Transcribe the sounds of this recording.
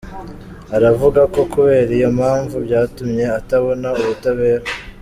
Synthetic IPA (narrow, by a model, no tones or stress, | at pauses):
aɾavuɡako̞kuβe̞ːɾijo̞mhaːɱvubjaːtumɲe̞ataβo̞nauβutaβe̞ːɾa